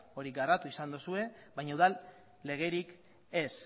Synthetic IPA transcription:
o̞ɾiɡarat̪uisand̪usue̞βajɲauðalː | e̞ɣ̞e̞ɾik | e̞s

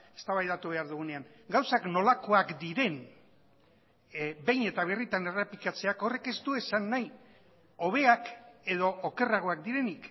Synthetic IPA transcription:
e̞̥st̪aβajðat̪uβe̞aɾðuɣune̞aŋ | ɡawsakno̞lako̞akd̪iɾe̞n | be̞jne̞t̪aβ̞erit̪ane̞repikat͡se̞ako̞re̞ke̞st̪ue̞sanːaj | o̞β̞e̞ake̞ðo̞ːke̞raɣ̞o̞akd̪iɾe̞nik

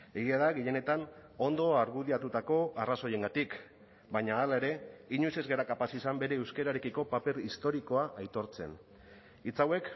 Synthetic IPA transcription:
e̞ɣ̞iað̞aɣiʝe̞ne̞t̪ano̞nd̪o̞aɾɣuð̞iat̪ut̪ako̞araso̞je̞ŋɡat̪ik | baɲaːlae̞ɾe̞iɲojse̞zɣeɾakapasisambe̞ɾe̞ːwskeɾaɾe̞kiko̞pape̞ɾist̪o̞ɾiko̞aʔajt̪o̞ɾt͡se̞̰n | it͡sawe̞k

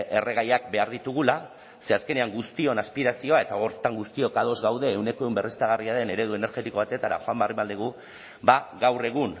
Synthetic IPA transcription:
ʔe̞re̞ɣ̞ajak̚be̞aɾðit̪uɣ̞ula | se̞aske̞neaŋɡust̪io̞naspiɾasio̞ae̞t̪aoɾt̪aŋɡust̪io̞kaðo̞zɣawðe̞ːwne̞ko̞eumbe̞rest̪aɣariaðe̞ne̞ɾe̞ðue̞ne̞ɾʝe̞t̪iko̞β̞at̪e̞t̪aɾa̰xoambarimald̪eɣ̞u | baɣawre̞ɣ̞un

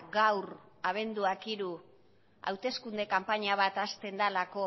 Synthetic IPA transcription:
ɡawraβ̞e̞nd̪uakiɾu | a̰wt̪e̞skund̪e̞kampaɲaβ̞at̪ast̪e̞nd̪alako̞

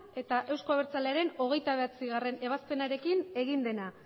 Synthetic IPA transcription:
e̞t̪aʔe̞wsko̞aβeɾt͡sale̞aɾe̞no̞ɣ̞e̞jt̪aβe̞at͡siɣare̞ne̞β̞aspe̞naɾe̞kine̞ɣind̪e̞na

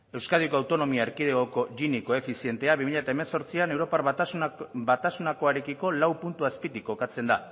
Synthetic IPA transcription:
e̞wskaðiokoawt̪o̞no̞miaeɾkið̞eɣoko̞ʝiniko̞e̞fisie̞nt̪e̞aβimiʎat̪aeme̞so̞ɾt͡siane̞wɾo̞pa | bat̪asunako̞aɾe̞kiko̞lawpunt̪uaspit̪ikːo̞kat͡se̞nd̪a

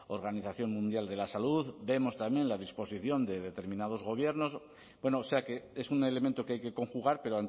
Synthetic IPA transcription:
o̞ɾɣaniθaθjo̞nmũnd̪jald̪e̞lasaluðbe̞mo̞st̪amje̞nlaðispo̞siθjo̞nd̪e̞ðe̞t̪e̞ɾmĩnað̞o̞zɣo̞β̞je̞ɾno̞s | bwe̞noːse̞ake̞esune̞le̞mẽnt̪o̞keajke̞ko̞ŋxuɣ̞aɾpe̞ɾoan

